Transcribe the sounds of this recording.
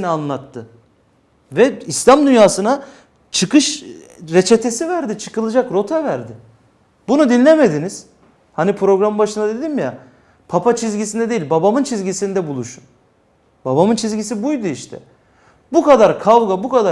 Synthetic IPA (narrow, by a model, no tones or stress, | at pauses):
nianlˠat̪ʰːɯ | vɛislʲamd̪ynjaːsɯna | t͡ʃʰɯkɯʃɾe̞t͡ʃʰe̞t̪ʰe̞sivæɾd̪it͡ʃʰɯ̥kɯlˠɯd͡ʒakɾo̞t̪ʰɛvæɾd̪ɪ | bunud̪inlʲlʲeme̞d̪iniz̥ | hanipʰɾo̞ɡɾambaʃɯnd̪ad̪e̞d̪imja̰ | pʰapʰat͡ʃʰizɟisind̪ɛd̪e̞jilʲbabamɯnt͡ʃʰizʲɟisind̪ɛbulˠuʃun | babamɯnt͡ʃʰizɟis̬ibujd̪uiʃt̪ʰɛ̰ | bukad̪aɾkʰavɡabukad̪a